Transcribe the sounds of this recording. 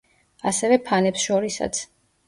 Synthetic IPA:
asɛvɛpʰanɛpsʃɔɾisa̰t̪sʰ

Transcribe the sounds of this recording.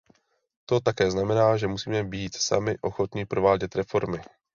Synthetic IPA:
t̪ot̪akɛːznamɛnaːʒɛmusiːmɛbiːt̪sa̰mɪʔoxot̪ɲɪpɾovaːɟɛt̪ɾɛfoɾmɪ

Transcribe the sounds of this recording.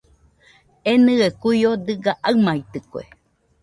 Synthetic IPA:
enɨekujod̪ɨɡaʔamait̪ɨkoḛ

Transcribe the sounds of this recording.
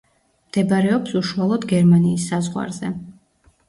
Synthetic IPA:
md̪̥ɛbaɾɛɔpsuʃualˠɔd̪ɡɛɾmaniːsːazʁwa̰ɾzɛ

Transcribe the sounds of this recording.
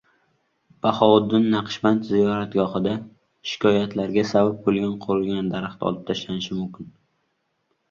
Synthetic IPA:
b̥ahɒʊd̪ːɪnːaqʰʃbant̪zijɒɾat̪ɡɒχɨd̪a | ʃɪ̥kʰɒjat̪laɾɡʲasabap̚bolˠɡʲanqʰoɾɪlɡʲand̪aɾaχt̪ɒ̰lˠɪp̚t̪ʰaʃlanɪʃɪmʊmkʲɪn

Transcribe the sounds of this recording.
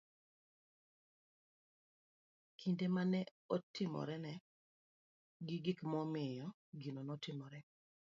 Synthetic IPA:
kʰindemanɛ | ɔtɪmɔ̰ɾɛnɛ | ɡɪɡɪkmɔmɪjɔ | ɡinonɔtɪmɔɾɛ

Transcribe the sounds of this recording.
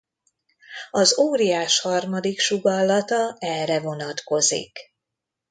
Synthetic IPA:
ɒzoːɾijaːʃhɒrmɒd̪ikʃuɡɒlːɒt̪ɒɛlrɛvo̞nɒt̪ko̞zḭk

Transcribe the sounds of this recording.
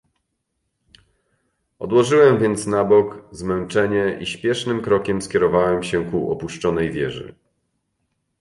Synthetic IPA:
ɔ̰d̪wɔʐɘwɛmvʲjɛnt̪snabɔkzmɛnt͡ʂɛɲɛʔiɕpʲjɛʂnɘmkɾɔkʲɛmskʲɛɾɔvawɛmɕɛkuɔ̰puʂt͡ʂɔnɛjvʲjɛ̰ʐɘ̰

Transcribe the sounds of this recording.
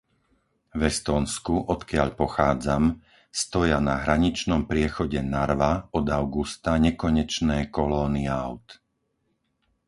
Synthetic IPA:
vɛst̪ɔːnskuʔɔt̪kɪaʎpɔxaːd͡zam | st̪ɔjanaɦɾaɲit͡ʃnɔmpɾɪɛxɔɟɛnaɾʋaɔd̪aʊɡust̪aɲɛkɔɲɛt͡ʃnɛːkɔlɔːniaʊt̪

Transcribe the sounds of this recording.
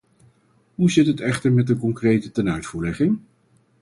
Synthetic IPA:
ɦuzɪtɦətɛχtəɹmɛtəkɔŋkrejtətɛnœɥtfuːɹlɛχɪŋ

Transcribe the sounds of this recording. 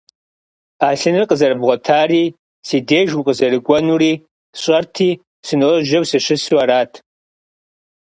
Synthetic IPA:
aɬɨnɨrqʼəzɐrɨbʁʷɔtʰaːri | sideːʒwuqʼəzɐrɨɡʷɔnuɾiː | ɕʷʼɐrtʰiː | sɨnɨlɨʒɐwsɨʃʷɨswaɾaːtʰ

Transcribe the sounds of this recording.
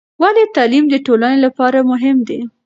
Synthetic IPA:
walet̪ɑlimd̪əʈolanelapɑɾamʊɦɪmd̪e

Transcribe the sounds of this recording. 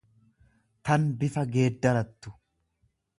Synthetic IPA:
t̪ɐnbɪfɐɡe̞ːd̪ːɐɾɐt̪ːʊ̥

